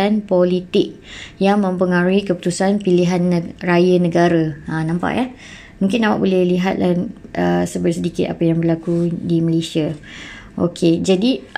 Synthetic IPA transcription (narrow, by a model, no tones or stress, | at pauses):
anpolit̪ɪk̚ | jaŋmə̃mpəŋaɾuikəpu̥t̪usanpiliɦanːrajanə̃ɡaɾaãnãmpa̰ʔja | mũŋkɪnːama̰ʔbolɛhliɦat̪̚laʔəsəbəsədikɪt̪apajaŋbərlakudiməlesia | ʔo̰kʰed͡ʒadi